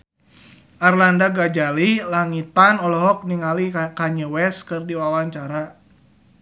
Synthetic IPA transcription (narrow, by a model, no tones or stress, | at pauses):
ʔarlandaɡad͡ʒalilaŋit̪anɔlɔɦɔk̚niŋalikaɲəwɛskɨrdiwawaɲt͡ʃaɾa